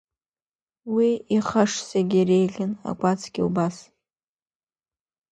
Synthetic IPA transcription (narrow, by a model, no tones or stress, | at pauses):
wiiχaʂsaɡʲiɾejɮʲɪna̰kʷʼat͡sʰɡʲiubas